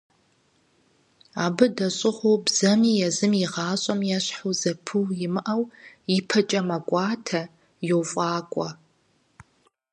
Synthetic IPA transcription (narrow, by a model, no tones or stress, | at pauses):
aːbɨdɐɕʼɪχʷobz̥ɐmiːjɛzɨmiʁɑːɕʼɐmjɛɕħuzɐpʰɨwjɪmɨʔɐwjɪpʰɐt͡ʃʼɐmɐkʷʼɑːtʰɐ | jowfʼɑːkʷʼɔ̰